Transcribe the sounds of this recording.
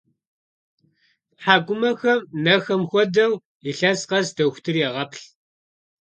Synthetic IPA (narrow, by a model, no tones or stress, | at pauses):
ħaːɡʷʊmɐxɐmnɐxɐmxʷɔdɐw | iɬɐsqɐsdɐxʷtʰɨrjɛʁɐpɬ